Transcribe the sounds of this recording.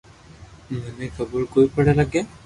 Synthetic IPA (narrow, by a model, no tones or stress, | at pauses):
manɛkʰabɔɹkojpɔɹalaɡɛ